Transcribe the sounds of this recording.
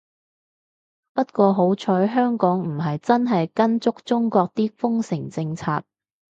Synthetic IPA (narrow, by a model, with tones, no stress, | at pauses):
pɐ˥t̚kʷɔː˧ɦo˨˥wt͡ʃʰɔː˨˥jɦœː˥ŋkɔː˨˥ŋm̩˨˩ɦɐ˨jt͡sɐ˥nɦɐ˨jkɐ˥nt͡sʊ˥k̚t͡sʊ˥ŋkɔː˧k̚t̪iː˥fʊ˥ŋsɪ˨˩ŋt͡sɪ˧ŋt͡sʰaː˧t̚